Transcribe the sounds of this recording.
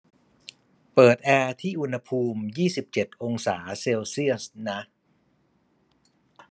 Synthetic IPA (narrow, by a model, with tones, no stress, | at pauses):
pɤː˨˩t̪̚ʔɛː˧t̪ʰiː˥˩ʔu˧nha˧pʰuː˧mjiː˥˩si˨˩p̚t͡ɕe˨˩t̪̚ʔo˧ŋsaː˩˦seː˧wsi˥˩əsna˦˥